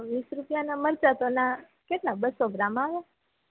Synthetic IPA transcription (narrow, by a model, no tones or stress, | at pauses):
ʋisɾupjanaməɾt͡ʃat̪ona | keʈlãbəsoɡɾamaʋa